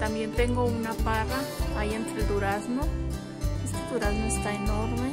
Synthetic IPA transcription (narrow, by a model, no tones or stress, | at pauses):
t̪ambjent̪eŋɡounaparamajent̪ɾed̪uɾasno | est̪ed̪uɾaznoest̪aenoɾme